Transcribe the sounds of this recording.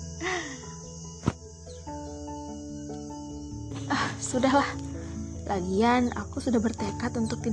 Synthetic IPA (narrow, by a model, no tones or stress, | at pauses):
ʔəhsudaɦlah | laɡiana̰kusudahbərt̪ekat̪unt̪ʊk̚t̪i